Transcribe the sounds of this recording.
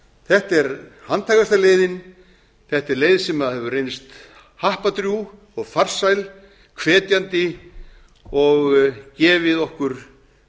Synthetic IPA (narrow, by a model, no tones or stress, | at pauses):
θɛht̪ɛɾhant̪ʰajɣast̪aɾleːjðɪn | θɛht̪ɛɾlejðsɛmaðhɛvʏrejnst̪ | hahpat̪ɾju | ɔɣfar̥sajl | kʰvɛːt̪jant̪ɪ | ɔɣcɛːvɪðɔhkʏɾ̥